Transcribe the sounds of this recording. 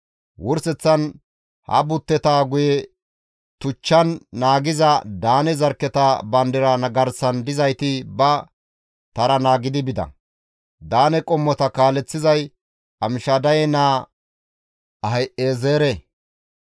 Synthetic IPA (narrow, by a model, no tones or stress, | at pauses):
wʊɾsɛt͡sːɐn | hɐ̰bʊt̪ːɛt̪aːɡʊjɛ | t̪ʊt͡ʃːɐnːaːɡɪzɐd̪aːnɛzɐɾkːɛt̪ɐbɐnd̪ɪɾɐnɐɡɐɾsɐnd̪ɪzɐjt̪ɪbɐ | t̪ɐɾɐnaːɡɪd̪ɪbɪd̪ɐ̰ | d̪aːnɛkʼɔmːɔt̪ɐkaːlɛt͡sːɪzɐj | ɐmɪʃad̪ɐjɛnaː | ɐɦɐjʔeːzeːɾɛ